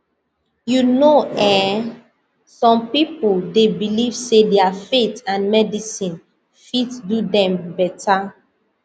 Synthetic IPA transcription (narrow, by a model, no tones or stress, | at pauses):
junoɛ | sɔ̃mpipoldebilivsedɛafetãnmɛdisĩn | fitdudɛ̃mbɛtʰa